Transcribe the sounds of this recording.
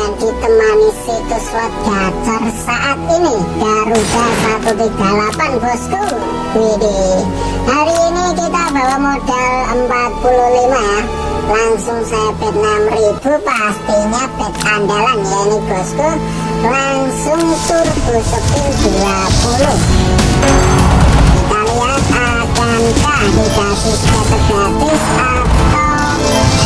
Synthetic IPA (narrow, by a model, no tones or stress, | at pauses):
and̪̥i̤t̪əmanisit̪ʊswɔt̪̚ɡ̥ad͡ʒərsaʔat̪inid̥aɾud̥a̤sak̪ud̪id̥alapanbɔsku | ɡiɾi | haɾiːnikit̪aba̤wamoɖ̥aləmpat̪̚pululimaja | laŋsʊŋsajab̥ɛ̤t̪̚namrib̥ṳpast̪iɲab̪̥ɛ̤t̪̚pandalanjainiɡ̥ɔ̤st̪u | laŋsʊŋt̪ʊrb̥ṳsəpɪld̪̥uapulʊh | skaliasa | tant͡ʃa | bib̥at̪iskasəɡ̥at̪isa | p̚t̪ɔ